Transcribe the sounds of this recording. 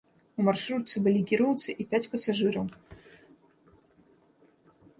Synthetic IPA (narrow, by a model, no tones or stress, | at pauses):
umarʂɾut̪t̪sɨbɨlʲikʲiɾɔwt̪sɨʔipʲat͡sʲpɐsaʐɨɾɐw